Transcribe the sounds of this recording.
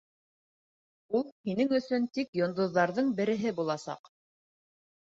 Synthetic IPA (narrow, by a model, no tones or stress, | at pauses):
ulˠhinɘŋɵ̆sɵnt̪ikjŏnd̪ŏðːɑɾðɤɴbɘ̆ɾɘ̆ɦɘbulˠɑsɑ̰q